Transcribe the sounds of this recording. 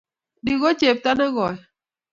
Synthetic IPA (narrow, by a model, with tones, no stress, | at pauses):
di˨ɣɔ˦t͡ʃe˨p̚ta˦na˦ɣɔ˨